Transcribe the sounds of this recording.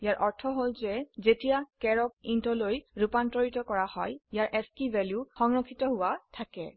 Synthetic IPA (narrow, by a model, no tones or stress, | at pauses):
ijaɹʔɔɹtʰɔɦolzɛzetijakɛɹɔkintɔlojɹupantɔɹitɔkɔɹahɔjijaɹʔɛskivɛljuxɔŋɹɔkʰːitɔɦʊwatʰakɛ̰